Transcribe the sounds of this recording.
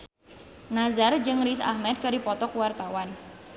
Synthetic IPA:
nazard͡ʒɨŋrisa̰hmɛt̪̚kadipɔt̪ɔkuwart̪awan

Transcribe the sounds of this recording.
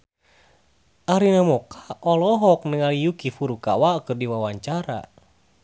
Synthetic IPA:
ʔaɾinamɔkaɔlɔɦɔk̚nəŋalijukifuɾuka̰wakɨrdiwawaɲt͡ʃaɾa̰

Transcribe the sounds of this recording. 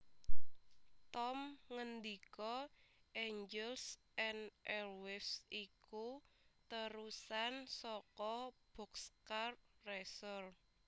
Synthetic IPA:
t̪ɔmŋənd̪ikɔʔeɲd͡ʒɛls | ɛnʔɛlwɪfsikut̪əɾusansɔkɔb̥ɔ̤kskarrɛsɔr

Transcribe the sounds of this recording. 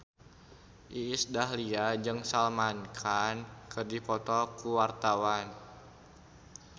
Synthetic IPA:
ʔiːsdaɦliad͡ʒɨŋsalmankʰankɨrdipɔt̪ɔkuwart̪awan

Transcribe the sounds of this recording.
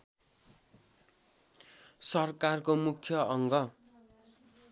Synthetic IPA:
sʌrkarkomukʰjʌʌŋɡʌ

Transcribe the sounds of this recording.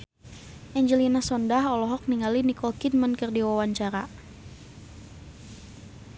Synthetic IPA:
ʔɛɲd͡ʒəlinasɔndaɦɔlɔɦɔk̚niŋalinikɔlkidmənkərdiwawaɲt͡ʃaɾa̰

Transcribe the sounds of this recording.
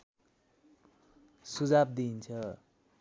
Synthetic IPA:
sud͡zab̚d̪int͡sʰʌ

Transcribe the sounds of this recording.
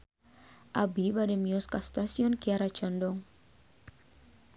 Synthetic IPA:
ʔabibademiɔskast̪asiɔnkiaɾat͡ʃɔndɔŋ

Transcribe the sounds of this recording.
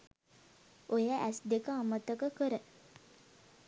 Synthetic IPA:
ʔojəʔæsd̪ekəamət̪əkəkəɾə

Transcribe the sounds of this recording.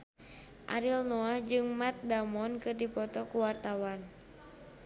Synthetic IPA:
ʔa̰ɾilnɔahd͡ʒɨŋmat̪̚damɔnkɨrdipɔt̪ɔkuwart̪awan

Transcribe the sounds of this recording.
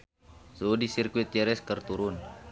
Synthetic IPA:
sodisirkuit̪̚d͡ʒɛɾɛskərt̪uɾʊn

